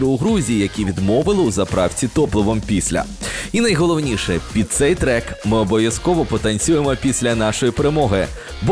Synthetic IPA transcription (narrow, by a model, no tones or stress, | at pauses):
ɾʊʊɦɾuzʲijijɐkʲiʋʲid̪mɔʋɪlˠɪʊzɐpɾɑwt͡sʲit̪ɔplˠɔʋɔmpʲisʲlʲɐ̰ | inɐjɦɔlˠɔwnʲiʃɛpʲid̪̚t̪sɛjt̪ɾɛkmɪɔbɔʋʲjɐskɔʋɔpɔt̪ɐnʲt͡sʲujemɔpʲisʲlʲɐnɑʃɔjipeɾemɔɦɪ | bɔ